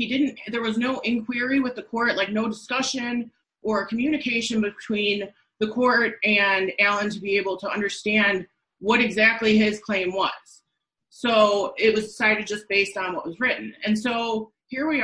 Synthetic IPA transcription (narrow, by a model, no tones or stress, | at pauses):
hidɪdⁿn̩tðə˞wʌznoʊʔɪ̃nkʰw̥ɪɹiwɨðɨkʰɔɹt̚laɪk̚noʊdɨskʌʃɨ̃n | ʔə˞ɨkʰmjʉñɨkʰeɪʃɨ̃nbɨtʰw̥ĩn | ðɨkʰɔɹɾɨ̃nælˠə̃ntʰɨbieɪbl̩ˠtʰəʌ̰̃ndə˞stæ̃nd̚ | wʌɾɨɡzæk̚tˡliɪz̥kʰl̥ẽɪ̃mwʌ̰z̥ | soʊɪt̚wʌzdɪsaɪɾɨd̚d͡ʒʌsb̥eɪstn̩wʌʔ̚wʌzɹɪʔn̩ɨ̰̃nsoʊ | hiɹwi